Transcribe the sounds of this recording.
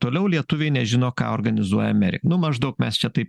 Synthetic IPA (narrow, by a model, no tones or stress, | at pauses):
t̪oːlʲɛʊlʲiɛt̪ʊʋʲeɪnʲɛʒʲɪnoːkɑ̰ːoːɾɡɐnʲɪzuɔjɛɐmʲɛɾʲɪ̰kknʊmɐʒd̪ɐʊkmʲɛst͡ʃʲɛt̪ɐɪp